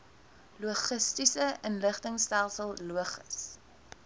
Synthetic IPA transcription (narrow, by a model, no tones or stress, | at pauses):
luəχəstisəʔənləχtəŋstælˠsəlˠluəχəs